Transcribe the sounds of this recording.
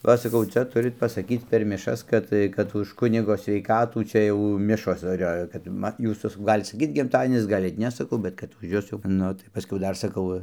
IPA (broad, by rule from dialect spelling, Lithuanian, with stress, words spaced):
ˈʋɐ sɐˈkɐʊ ˈt͡sʲɛ ˈtʊrʲɪt pɐsɐˈkʲiːt͡s pʲɛr mʲɪˈʃɐs ˈkɐt tɐɪ kɐt ʊʃ ˈkʊnʲɪɡoː sʲʋʲɛɪˈkɑːtuː t͡ʃʲɛ ˈjɛʊ ˈmʲɪʃoːs dɐr ˈjoː kɐt ˈmɐ ˈjuːs jɛʊ sɐˈkɐʊ ˈɡɑːlʲɪt sɐˈkʲiːt ɡʲɪmˈtɑːdʲiɛnʲɪs ˈɡɑːlʲɪt ˈnʲɛ sɐˈkɐʊ ˈbʲɛt kɐt ʊʃ ˈjʊs jɛʊ ˈnʊ tɐɪ pɐˈsʲkʲɛʊ ˈdɐr sɐˈkɐʊ